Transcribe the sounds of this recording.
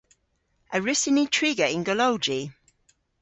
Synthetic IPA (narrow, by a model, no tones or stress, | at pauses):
ʔəɹɪsɪnitʰɹ̥iɡəɪ̃nɡəloʊd͡ʒi